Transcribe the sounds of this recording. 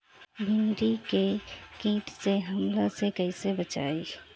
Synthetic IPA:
bɪnɾikekĩːʈseɦɐmlasekəisebət͡ʃa̰ːiː

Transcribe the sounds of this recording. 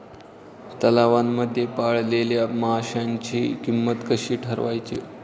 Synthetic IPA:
t̪əlaʋamːəd̪ʱːjepaɭleljaməɦaɕjaɲt͡ɕiːkimːət̪kəɕiːʈʰəɾʋajt͡ɕe

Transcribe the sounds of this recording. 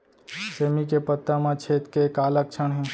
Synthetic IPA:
semikepət̪ːamãt͡ʃʰet̪kekalək̚t͡ʃʰənɦẽ

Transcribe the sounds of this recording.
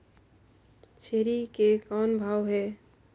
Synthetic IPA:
t͡ʃʰeɾikekɔnbʱawɦɛ

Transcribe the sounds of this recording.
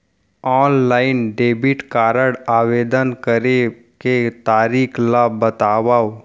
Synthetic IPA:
ɔːnlaːɪnɖeːbɪʈkaːɾəɽaːʋeːd̪ənkəɾe | ket̪aːɾiːkʰlabət̪aːʋaːo

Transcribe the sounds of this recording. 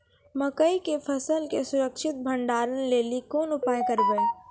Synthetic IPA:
mɐkəikepʰɐsəlkesʊɾəkʃɪt̪̚bʱə̃ɳɖaːɾənleːlikoːnʊpaːjkɐɾbəe

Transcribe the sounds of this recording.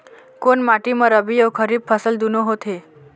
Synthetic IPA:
konmaʈimãɾəbijokʰəɾib̚pʰəsəld̪unoɦot̪ʰe

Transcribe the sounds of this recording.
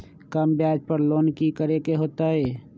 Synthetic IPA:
kəmbjaːd͡ʒpəɾloːnkikəɾekeɦoːt̪aɦɛː

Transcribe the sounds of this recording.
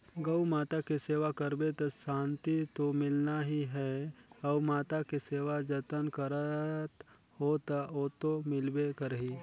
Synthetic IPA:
ɡəwmaːt̪akeseːʋakəɾbet̪ɐsãːnt̪it̪omɪlnaɦiɦɛɔːmaːt̪akeseːʋad͡ʒət̪ənkəɾət̪ | hot̪ɔːt̪omɪlbekəɾɦiː

